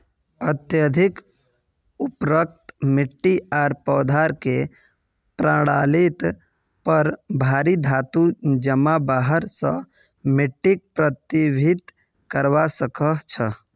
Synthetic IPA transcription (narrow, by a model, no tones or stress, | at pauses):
ət̪jəd̪ʱɪk | upɾək̚t̪mɪʈːiaːɾpɔːd̪ʱaɾke | pɾãːɽalit̪ | pəɾbʱaːɾid̪ʱaːt̪ud͡ʒəmabaːɦəɾsə̰̃ | mɪʈːik̚pɾət̪ibʱɪt̪ | kəɾʋasəkəɦt͡ʃʰə